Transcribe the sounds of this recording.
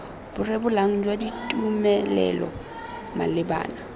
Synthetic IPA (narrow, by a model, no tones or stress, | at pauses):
b̥ʊrɪbʊlaŋ̩d͡ʒwaditʼumɛlɛ̰lɔ̰ | ma̰lɪba̰ːna